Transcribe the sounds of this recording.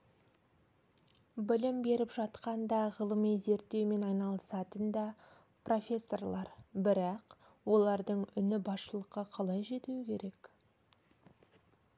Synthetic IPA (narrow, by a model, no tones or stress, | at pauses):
bɪlɪmbe̞ɾɪpʒɑt̪qɑnd̪ɑʁəlˠəmijze̞ɾt̪ːe̞wme̞nɑjnɑlˠəsɑt̪ənd̪ɑ | pro̞fʲe̞sːo̞rlˠɑɾbɪɾɑq | wo̞lˠɑɾd̪əɴʏnɪbɑsʃəlˠəqːɑqʰɑlˠɑjʒe̞t̪uwɪkʲʰe̞ɾe̞k